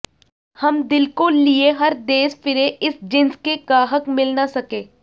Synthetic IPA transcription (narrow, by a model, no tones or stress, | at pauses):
hɐmd̪ɪlkolieɦɐɾd̪eːʃfɪɾeʔɪsd͡ʒɪ̃nskekaːɦəkmɪlnasɐkẽː